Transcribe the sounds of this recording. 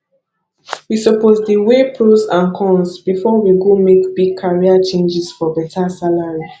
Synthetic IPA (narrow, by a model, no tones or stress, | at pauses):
wisɔpozdiwepʰɹusãnkʰɔ̃nsbifɔwiɡomekbiɡ̚kʰaɹiat͡ʃẽnd͡ʒisfɔbɛtasalaɹi